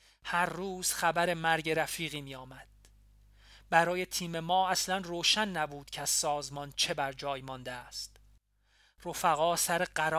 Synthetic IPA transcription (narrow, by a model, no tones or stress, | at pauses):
hæɾːuːz̥xæbæɾe̞mæɾɟe̞ɾæfiːɣiːmiːjɒːmæd̪̥̚ | bæɾɒːje̞t̪ʰiːme̞mɒːæslænroːʃænːæbuːd̪̥cʰeæz̥sɒːzmɒnt͡ʃʰe̞bæɾd͡ʒɒːjmɒnd̪eæst̪ | rofæɣɒːsæɾeɢæɾː